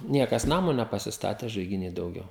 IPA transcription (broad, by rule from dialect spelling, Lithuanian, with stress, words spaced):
ˈnʲiɛkɐs ˈnɑːmoː nʲɛpɐsʲɪsˈtɑːtʲeː ʒɐɪɡʲɪˈnʲiː dɐʊˈɡʲɛʊ